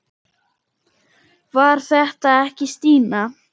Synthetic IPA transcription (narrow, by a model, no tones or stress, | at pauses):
vaɾ̥θɛht̪aɛhcɪst̪iːna